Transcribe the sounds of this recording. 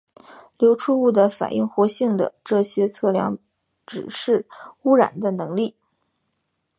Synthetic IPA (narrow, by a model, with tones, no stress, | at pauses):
ljo˧˥ʊʈ͡ʂʰu˥u˥˩d̪ə˩fa̰˨˩nʔi˥˩ŋxwɔ˧˥ɕi˥˩ŋd̪ə̰˩ʈ͡ʂɤ˥˩ɕjɛ˥t͡sʰɤ˥˩ljɑ̰˧˥ŋ | ʈ͡ʂɻ̩˨˩ʂɻ̩˥˩u˥ɻa̰˨˩nd̪ə˦nɤ˧˥ŋli˥˩